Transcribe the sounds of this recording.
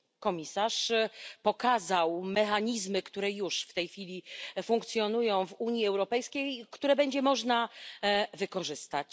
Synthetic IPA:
kɔmʲisaʂpɔkazawmɛxaɲizmɘkt̪uɾɛjuʂft̪ɛjxfʲilʲifuŋkt̪sʲjɔnujɔ̃w̃vuɲiɛwɾɔpɛjskʲejkt̪uɾɛbɛɲd͡ʑɛmɔʐna | vɘkɔʐɘst̪at͡ɕ

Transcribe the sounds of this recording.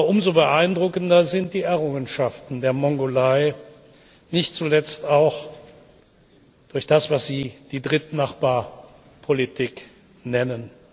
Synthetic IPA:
ʔʊmzobəʔaɪndʁʊkən̩dɐzɪnt̚d̥iːɛɐʁʊŋənʃaftn̩deːɐmɔŋɡolaɪ | nɪçtt͡sulɛt͡staʊx | d̥ʊɐçd̥asv̥asz̥iːd̥iːdʁɪtnaχb̥aːɐ | pʰolitʰiːk | nɛnən

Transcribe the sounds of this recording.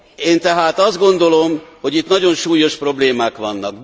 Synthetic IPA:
eːnt̪ɛɦaːt̪ɒzd̪ɡo̞n̪d̪o̞lo̞mho̞ɟit̪nɒɟo̞nʃuːjo̞ʃpro̞bleːmaːkʋɒnːɒk

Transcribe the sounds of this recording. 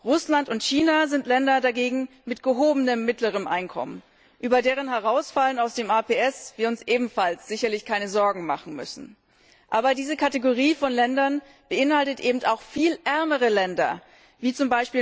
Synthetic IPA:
ʁʊslantʊntçiːnazɪntlɛndɐdaɡeːɡŋ̩ | mɪtɡ̥əɦoːbənəmːɪtləʁ̞əmʔa̰ɪnkʰɔ̰mən | ʔyːbɐdeːʁ̞ənɦɛʁ̞aʊsfalənaʊsd̥eːmaːpʰeːɛsv̥iːɐʊnsʔeːbm̩falsz̥ɪçɐlɪçkʰaɪnəzɔɐɡŋ̩ma̰χn̩mʏ̰sn̩ | ʔaːbɐdiːzəkʰateɡoʁ̞iːfɔnlɛndɐn | b̥əʔɪnhaltətʔeːbm̩taʊxfiːlʔɛɐməʁ̞əlɛndɐ̰ | viːt͡sʊmbaɪʃpiː

